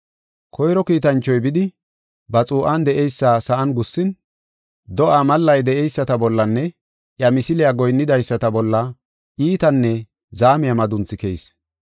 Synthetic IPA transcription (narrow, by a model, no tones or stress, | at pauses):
kʰɔjɾɔkiːt̪ɐnt͡ʃːɔjbɪd̪ɪ | bɐt͡sʼuːʔɐnd̪ɛʔɛjsːasɐʔɐnɡʊsːɪn | d̪ɔʔamɐlːɐjd̪ɛʔɛjsːɐt̪ɐbɔlːɐnːɛ | ʔjɐmɪsɪlɪjaɡɔjnːɪd̪ɐjsːɐt̪ɐbɔlːɐ | ʔiːt̪ɐnːɛ | zaːmɪjɐmɐd̪ʊnt͡sːɪkɛjs